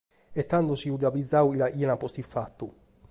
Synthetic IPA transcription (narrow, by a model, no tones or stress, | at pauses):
et̪ːand̪usiud̪abizːawilaʔiɛnapɔst̪ifːat̪ːu